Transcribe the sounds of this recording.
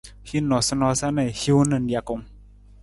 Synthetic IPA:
hi˦nɔ˨sə˦nɔ˧˦sa˦ne˨hi˦u˦nə˨n˦dja˨ko˨ŋ

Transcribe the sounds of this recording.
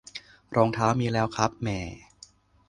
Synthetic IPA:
ɾɔː˧ŋt̪ʰaː˦˥wmiː˧lɛː˦˥wkʰɾa˦˥p̚mɛː˨˩

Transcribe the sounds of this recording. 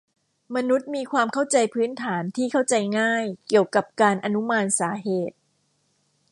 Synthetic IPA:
ma˧nu˦˥t̪̚miː˧kʰwaː˧mkʰa˥˩wt͡ɕa˧jpʰɯː˦˥nt̪ʰaː˩˦nt̪ʰiː˥˩kʰa˥˩wt͡ɕa˧jŋaː˥˩jki˨˩əwka˨˩p̚kaː˧nʔa˧nu˦˥maː˧nsaː˩˦ɦeː˨˩t̪̚

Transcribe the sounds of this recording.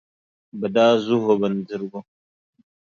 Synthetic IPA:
bɐ˨daː˦zu˦ɦo˨bɐ˨n˨d͡zi˦ɾɡo˦

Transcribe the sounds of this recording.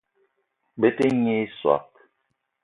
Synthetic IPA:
be˦te˦ɲe˦swa̰˨p̚

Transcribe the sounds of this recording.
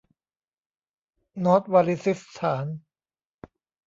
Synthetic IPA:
nɔː˦˥t̪̚waː˧li˦si˦˥st̪ʰaː˩˦n

